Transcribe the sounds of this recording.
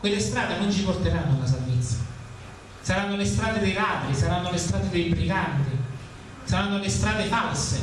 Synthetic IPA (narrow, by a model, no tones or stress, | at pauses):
kwelːest̪ɾaːd̪enʊnt͡ʃipʊrt̪eɾanːʊlas̬alvet̪sːḁ | saɾanːolest̪ɾaːd̪ed̪ejlaːd̪ɾisaɾanːolest̪ɾaːd̪ed̪ejbɾiɡant̪i | saɾanːolɪst̪ɾaːd̪ɪfalsɪ